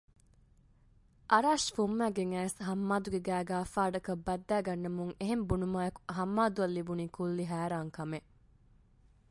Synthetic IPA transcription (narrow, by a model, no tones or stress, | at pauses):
ʔɐɾaːʃfumːæːɡeŋæːsɦɐmːaːd̪uɡeɡæːɡaːfaːɖɐkɐbːɐd̪ːæːɡɐnːɐmuŋeɦembunumaːjeɐku̥ɦɐmːaːd̪uɐlːibuniːkulːiɦæːɾaːŋkɐme